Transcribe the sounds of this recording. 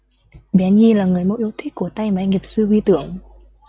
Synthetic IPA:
ɓɛ˨˦nɲi˧laː˨˩ŋɨ˨˩əjmo̰˧˥ʔi˧ə˧wt̪ʰï˦˥k̚ku˧˩ət̪a˧jma˨˦ŋi˨˩əp̚sɨ˧ʔwi˧t̪ɨ˧˩˦əŋ

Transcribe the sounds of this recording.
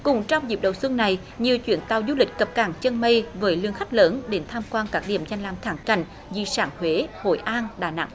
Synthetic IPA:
kʊ˨˩ŋ͡mt͡ɕɔ˧wŋ͡mzḭ˨˩p̚ɗə˨˩wswɨ˧əŋna˨˩j | ɲi˨əwt͡ɕwḭ˧˩ənt̪a˧˩wzu˧lï˨˩k̟̚kə˨˩p̚kaː˧˩ŋt͡ɕə˧nmə˧jvəː˨˦jlɨ˧əŋxa˦˥k̟̚ləː˨˦nɗe˨˦nt̪ʰaː˧mkwaː˧nkaː˦˥k̚ɗḭ˧˨əmza˧jŋ̟laː˨˩mt̪ʰaː˧˩ŋka̰˧˨jŋ̟ | zḭ˧˩saː˧˩ŋhwe˨˦ho̰˧˨jʔaː˧nɗaː˧˩na̰˧˥ŋ

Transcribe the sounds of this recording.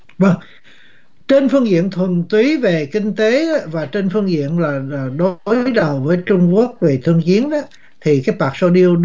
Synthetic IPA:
və˧ŋ | t͡ɕe˧nfɨ˧əŋzḭ˧˨ənt̪ʰwə˨˩nt̪wi˨˦ve˨˩kï˧ŋ̟t̪e˨˦vaː˨˩t͡ɕe˧nfɨ˧əŋzḭ˧˨ənlaː˨˩˨ɗo˦jɗə˨˩wvəː˨˦jt͡ɕʊ˧ŋ͡mku˦˥ək̚ve˨˩t̪ʰɨ˧əŋt͡ɕi˨˦ənɗɔ˨˦˥ | t̪ʰi˨˩kaː˨˦jpaː˨˩k̚so˧ɗi˧əwɗ

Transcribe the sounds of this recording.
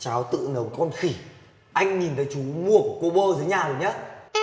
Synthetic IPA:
t͡ɕaː˨˦wt̪ɨ̰˧˨nə˨˦wkɔ˧nxi˧˩ | ʔa˧jŋ̟ɲi˨˩nt̪ə˨˦jt͡ɕu˨˦mu˧˩əku˧˩ko˧ɓoː˧zəː˨˦jɲaː˨˩zo˨˩ɲə˨˦

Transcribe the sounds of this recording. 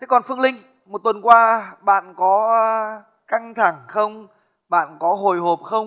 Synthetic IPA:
tt̪ʰe˨˦kɔ˨˩nfɨ˧əŋlï˧ŋ̟ | mo˨˩t̚t̪wə˨˩nkwaː˧ɓa̰ː˧˨nkɔ˨˦˧ | ka˧ŋt̪ʰa˧˩ŋxə˧wŋ͡m | ɓa̰ː˧˨nkɔ˨˦ɦo˨˩jɦo˨˩p̚xə˧wŋ͡m

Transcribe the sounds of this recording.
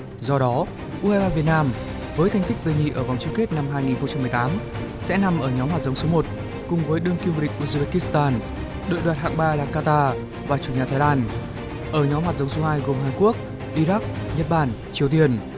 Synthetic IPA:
zɔ˧ɗɔ˨˦ | ʔu˧haː˧zaː˧vi˨˩ət̚naː˧m | vəː˨˦jt̪ʰa˧jŋ̟t̪ï˦˥k̚ɗ̪ə˨˧˩ŋḭ˧˨ʔəː˧˩va˨˩wŋ͡mt͡ɕɨ˧ŋke˦˥t̚na˧mɦaː˧jŋi˨˩nxə˧wŋ͡mt͡ɕa˧mːɨ˨˩ə˩t̪aː˨˦m | sɛ̰˧˥na˨˩mʔəː˧˩ɲɔ˨˦mhaː˨˩t̚zə˨˦wŋ͡mso˨˦mo˨˩t̚ | kʊ˨˩ŋ͡mvəː˨˦jɗɨ˧əŋki˧mvu˧˩ɗï˨˩k̟̚ʔu˧˩sɓe˧˩ki˦˥st̪aː˧n | ɗə̰ː˧˨jɗwaː˨˩t̚ha̰ː˧˨ŋɓaː˧laː˨˩kaː˧t̪aː˧ | vaː˨˩t͡ɕu˨˧˩ɲaː˨˩t̪ʰaː˨˦jlaː˧n | ʔəː˧˩ɲɔ˨˦mhwaː˨˩t̚zə˨˦wŋ͡mso˨˦haː˧jɣo˨˩mɦaː˨˩nku˦˥ək̚ | ʔi˧ɾa˦˥k̚ɲə˦˥t̚ɓaː˧˩nt͡ɕi˨˦əwt̪i˧ən

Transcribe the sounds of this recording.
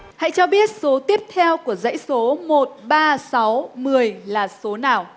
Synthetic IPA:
ha̰˧˨jt͡ɕɔ˧ɓi˦˥ət̚so˨˦t̪i˦˥əp̚t̪ʰɛ˧wku˧˩əzə̰˧˥jso˨˦mo˨˩t̚ɓaː˧sa˨˦wmɨ˨˩əjlaː˨˩so˨˦naː˨˩w

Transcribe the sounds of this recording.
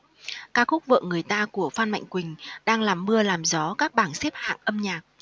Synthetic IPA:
kaː˦˥k̚xʊ˦˥k͡p̚vɨ̰ː˧˨ŋɨ˨˩əjt̪aː˧ku˧˩əfaː˧nma̰˧˨jŋ̟kwï˨˩ŋ̟ɗaː˧ŋlaː˨˩mːɨ˧əlaː˨˩mzɔ˨˦kaː˦˥k̚ɓaː˧˩nse˦˥p̚ha̰ː˧˨ŋʔə˧mɲaː˨˩k̚

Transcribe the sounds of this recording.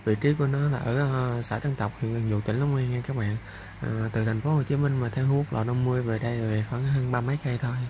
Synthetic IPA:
vḭ˧˨t͡ɕi˨˦ku˧˩ənɔ˨˦laː˨˩ʔəː˧˩saː˧˩jt̪ʰə˧ŋt̪ə˨˩k͡p̚hḭ˧˨ənʔɨ˨˩ŋzṵ˧˨t̪ï˧˩ŋ̟la˨˦ŋ͡mŋwɛ˧ŋɛ˧kaː˦˥k̚ɓa̰ː˧˨n˨˩ | t̪ɨ˨˩t̪ʰa˨˩ŋ̟fo˨˦ho˨˩t͡ɕi˨˦mï˧ŋ̟maː˨˩t̪ʰɛ˧whu˨˦˥ək̚lɔ̰˨˩nə˨˧wŋ͡mmɨ˧əjve˨˩ɗə˧jve˨˩xa˧˦ŋɦəː˧nɓaː˧mə˨˦jkə˧jt̪ʰo˧j

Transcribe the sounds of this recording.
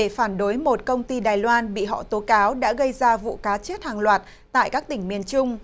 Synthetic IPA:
e˧˩faː˧˩nɗo˨˦jmo˨˩t̚kə˧wŋ͡mt̪i˧ɗaː˨˩jlwaː˧nɓḭ˧˨ɦɔ̰˧˨t̪o˨˦kaː˨˦wɗa̰ː˧˥ɣə˧jzaː˧vṵ˧˨kaː˨˦t͡ɕi˦˥t̚haː˨˩ŋlwaː˨˩t̚ | t̪a̰ː˧˨jkaː˦˥k̚t̪ï˧˩ŋ̟mi˨˩ənt͡ɕʊ˧ŋ͡m

